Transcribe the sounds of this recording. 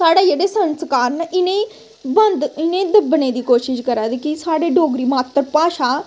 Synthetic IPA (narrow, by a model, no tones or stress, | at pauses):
saːɽajeɽesə̃nskaːɾnəʔine | bɐnd̪inẽd̪əbəned̪iːkoːʃiʃkəɾad̪kisaːɽeɖoːɡɾiːmaːt̪ɾəpaːʃa